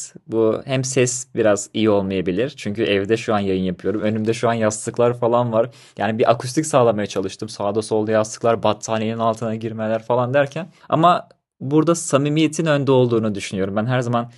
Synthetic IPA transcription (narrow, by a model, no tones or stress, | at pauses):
buhæmsɛsbiɾaz̥ijio̞lˠmajabilʲiɾ̥t͡ʃʰyɲcyʔɛvd̪ɛʃuanjajɯnjapʰɯjo̞ɾumø̞nymd̪ɛʃuanjast̪ʰɯklˠaɾfalˠanvaɾ | jaːnibiʔakʰust̪ʰicʲsaːlˠamajat͡ʃʰalˠɯʃt̪ɯmsaːd̪oso̞lˠd̪ajast̪ɯklˠaɾbat̪ʰːaːneninalˠt̪ʰɯnaɟiɾmelʲæɾfalˠand̪æɾcʰæn | a̰ma | buɾd̪asamimijet̪ʰinønd̪ɛo̞lˠd̪uːnud̪yʃynyjo̞ɾumbænɦæɾzaman